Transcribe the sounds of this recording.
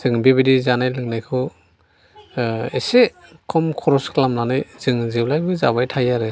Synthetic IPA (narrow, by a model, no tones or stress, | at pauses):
z̥ɯŋbebidizanajlɯŋnajkʰɯ | ese | kʰɔmkʰɔɾɔskʰlamlanajzɯŋzɯwlajbɯzaβajtʰajaɾɯ